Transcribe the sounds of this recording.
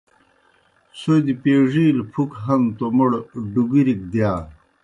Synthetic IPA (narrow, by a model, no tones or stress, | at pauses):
sod̪ipeːʐiːlpʰukɦɐnt̪omoɽɖuɡiɾik̚d̪jaː